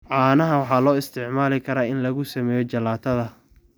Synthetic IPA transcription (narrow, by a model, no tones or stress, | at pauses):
ʕɑːnɐɦɐwɑħɑːlɔːɪst̪ʰɪʕmaːlɪkʰɐɾaːɪnlɐɣʊsɐmɛːjɔt͡ʃɐlaːt̪ʰɐðɐ